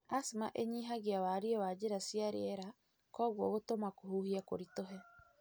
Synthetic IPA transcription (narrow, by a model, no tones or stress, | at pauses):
asimaʔeɲiːɦaɣiawaɾiewaːd͡ʒeɾasiaɾeeɾa | kɔːɣuɔβotomakohuːhiakoɾitoɦɛ